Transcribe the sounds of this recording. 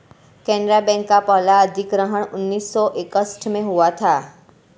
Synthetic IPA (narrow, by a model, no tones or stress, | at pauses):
kɛɳɖɾabɛ̃ŋkapəɦlaəd̪ʱikɾəɦəɳʊnːisːɔʔekəsʈʰmẽɦuʋat̪ʰa